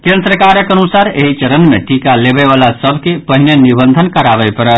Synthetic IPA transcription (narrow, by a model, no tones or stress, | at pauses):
kẽnd̪ɾəkaɾəkənusaɾeɦit͡ʃəɾənmeʈikalebeʋalasəbʱkepəɦinenibənd̪ʱənkəɾabəɪpəɾət̪